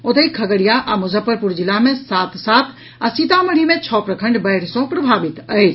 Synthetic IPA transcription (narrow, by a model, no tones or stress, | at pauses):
ot̪əikʰəɡəɽijaʔamod͡ʒəpəɾpuɾd͡ʒilamesat̪ʰsat̪ʰ | asit̪aməɽ̤imet͡ʃʰɔpɾəkʰəɳɖbəɽ̤sɔ̃pɾəbʱabit̪əɪt͡ʃʰ